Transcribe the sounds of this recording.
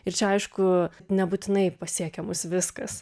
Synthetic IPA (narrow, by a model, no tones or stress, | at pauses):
ɪɾt͡ʃʲɛɐɪʃkʊnʲɛbuːt̪ʲɪnɐɪpɐsʲiɛkʲɛmʊsʋʲɪskɐs